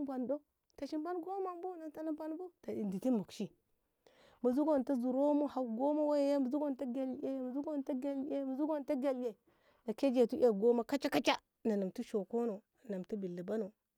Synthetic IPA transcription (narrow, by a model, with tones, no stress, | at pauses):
bʷa˨ndo˦ | ta˨ʃi˦mba˦nɡo˦ma˦mbo˦na˨ta˨na˦ba˦n˦bo˦ta˨i˨ndi˨ti˦mu˨kʃi˦ | mu˨zu˦ɡo˦n˨ta˦zu˨ɾo˦mo˦ha˨wɡo˦ma˦wa˦ja˦ja˦ma˨zu˦ɡo˦nta˦ɡa˦le˦jma˨zu˦ɡo˦n˨ta˦ɡa˦le˦ma˨zu˦ɡo˦n˨ta˦ɡe˨lje˨ | na˨ke˦d͡ʒe˨tu˦ʔa˨ɡo˦ma˦ka˦t͡ʃa˦ka˦t͡ʃa˦ | na˨na˨mtu˦ʃo˨ko˦no˨ | na˨mtu˦bi˨lːi˨ba˦no˨